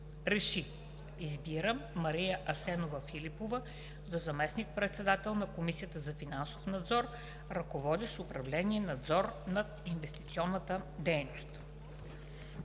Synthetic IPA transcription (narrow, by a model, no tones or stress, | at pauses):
ɾɛʃi | izbiɾəmːɐɾijəʔɐsɛnovəfilipovə | zɐzɐmɛsnik̚pɾɛt̪sɛd̪at̪ɛlˠnɐkomisijət̪əzɐfinansofnɐd̪zɔɾ | ɾɐkovɔd̪iʃʊpɾɐvlɛniɛnɐd̪zɔɾnɐ | invɛst̪it̪siɔnːət̪əd̪ɛjnost̪